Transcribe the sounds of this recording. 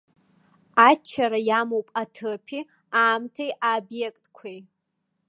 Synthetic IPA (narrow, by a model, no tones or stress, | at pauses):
at͡ʃʰːaɾajamowpʼatʰɨpʰi | aːmtʰejʔabjekʼtʼkʷʰej